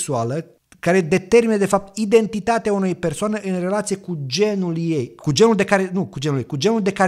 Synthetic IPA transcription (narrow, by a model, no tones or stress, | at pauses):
sualə | kaɾe̞d̪e̞t̪e̞rminəd̪e̞fap̚t̪id̪e̞nt̪it̪at̪eaunejpe̞rsoaneʔɨnre̞lat̪siekud͡ʒe̞nuljejkud͡ʒe̞nuld̪e̞kaɾe̞nukud͡ʒenuljejkud͡ʒe̞nuld̪e̞ka